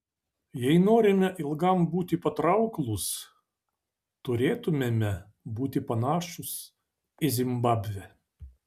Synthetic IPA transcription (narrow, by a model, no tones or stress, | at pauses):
jɛɪnoːɾʲɪmʲɛʔɪlˠɡɐmbuːt̪ʲɪpɐt̪ɾɐʊklˠʊs | t̪ʊɾʲeːt̪ʊmʲemʲɛ | buːt̪ʲɪpɐnɑːʃʊs | ɪzʲɪmbɑːbʲʋʲɛ